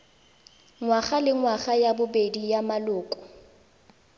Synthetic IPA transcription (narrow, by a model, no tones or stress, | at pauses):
ŋwaχalɪŋwaχajabʊbedijamalʊːkʼʊ̥